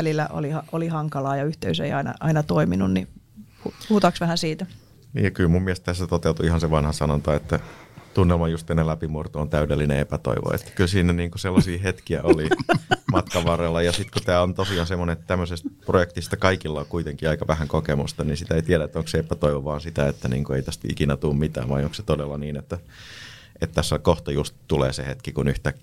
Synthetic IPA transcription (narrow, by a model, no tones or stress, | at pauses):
ælilːæ̰ʔo̰lihɑʔolihɑŋkɑlɑːjɑyht̪eysḛiɑinɑ̰ʔɑinɑt̪oiminunni | upuhut̪ɑksʋæhænsiːt̪æ | nḭːjɑkylmummiæst̪æst̪ːæt̪ot̪eut̪uihɑnseʋɑnhɑsɑnont̪ɑet̪ːæt̪unːelmɑjust̪enːelæpimurt̪oont̪æydelːinḛepæt̪o̰iʋo̰ḛt̪ːæ̥kylsiːnæniːŋkoselːɑsiːhet̪kiæ̰ʔolimɑt̪kɑʋɑrelːɑjɑsit̪kut̪æːont̪osiɑnsemːoneet̪t̪æmːøsest̪̚projekt̪ist̪ɑkɑikilːɑkuit̪eŋkiɑikɑʋæhæŋkokemust̪ɑninsit̪æeit̪iæɾæet̪ːoŋkseepæt̪oiʋoʋɑːnsit̪æet̪ːænḭːŋkueit̪æst̪ḭkinæt̪uːmmit̪æ̰ːʋʋɑioŋkse̥t̪odelːɑniːnet̪ːæ | et̪t̪æsːokoht̪ojust̪t̪ulḛːsehet̪kikunyht̪ækː